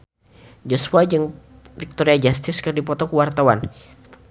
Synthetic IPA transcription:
d͡ʒɔsuad͡ʒɨŋ | fik̚t̪ɔɾiad͡ʒast̪ɪskɨrdipɔt̪ɔkəwart̪awa̰n

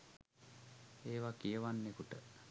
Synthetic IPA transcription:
eːʋakijəʋanːekuʈə

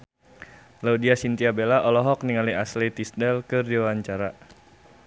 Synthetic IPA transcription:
laudiasint̪iabelaʔɔlɔɦɔk̚niŋaliaslit̪isdɛlkɨrdiwaɲt͡ʃaɾa

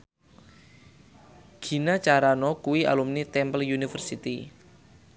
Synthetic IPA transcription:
ɡ̥i̤nat͡ʃaɾanɔkuwiʔa̰lumnit̪ɛmpəljunifərsit̪i

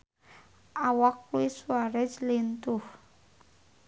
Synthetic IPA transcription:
awakuiswaɾɛd͡ʒlent̪u

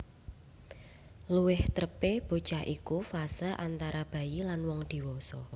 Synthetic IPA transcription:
luwɪht̪ɾəpeb̥o̤t͡ʃaʔikufasaʔant̪aɾab̥a̤jilanwɔŋd̪̥i̤wɔsɔ

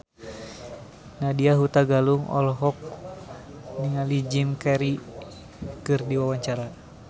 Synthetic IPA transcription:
nadiaɦut̪aɡaluŋɔ̰lɦɔk̚ | niŋalid͡ʒimkɛɾi | kɨrdiwawaɲt͡ʃaɾa

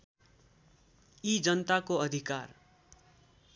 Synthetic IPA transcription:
id͡zʌnt̪akoʌd̪ʱikar

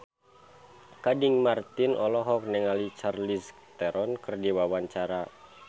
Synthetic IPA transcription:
kadiŋmart̪inɔlɔɦɔk̚nɛŋalit͡ʃarlis | t̪ɛɾɔnkɨrdiwawaɲt͡ʃaɾa

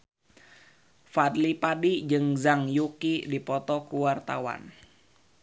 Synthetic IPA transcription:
fadlipadid͡ʒɨŋzaŋjukidipɔt̪ɔkuwart̪a̰wa̰n

